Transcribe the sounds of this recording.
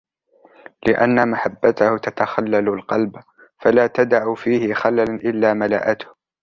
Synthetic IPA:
lɪʔa̰nːamaħabːat̪ahʊt̪at̪axalːalʊlqɑlb | falaːt̪ad̪aʕufiːhɪxalalaʔɪlːaːmala̰ʔat̪ʊ̥h

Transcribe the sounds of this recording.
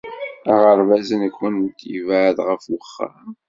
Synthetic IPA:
æʁəɾvæzənəkːənt̪jḭvʕðʁəfwəχːa̰

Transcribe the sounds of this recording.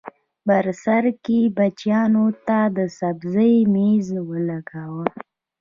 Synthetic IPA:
baɾsaɾkebat͡ʃjɑnot̪ad̪əsabzəjmezwəlaɡawə

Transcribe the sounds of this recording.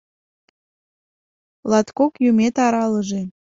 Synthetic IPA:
lɑt̪kokjymet̪ɑɾɑləʒe

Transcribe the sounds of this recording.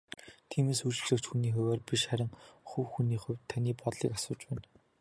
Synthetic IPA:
t̪ʰiːmeːsut͡ɕ̆ɮɘ̆kt͡ɕxuniːχʊ̟wʲæːrpiʃχæɾʲɪ̆ŋχuwxuniːχʊ̟wʲt̪ʰːaniːpɔt̪ɮiːkasʊːt͡ɕpæːn

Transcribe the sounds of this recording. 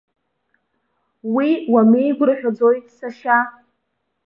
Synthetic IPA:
wiwame̞jɡʷʊrħᶣad͡zo̞jtʼsaʃa

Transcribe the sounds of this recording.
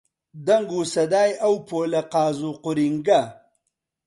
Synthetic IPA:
d̪ɐŋɡusɐd̪aːjɐwpoːlɐqaːzuqʊɾiŋɡa

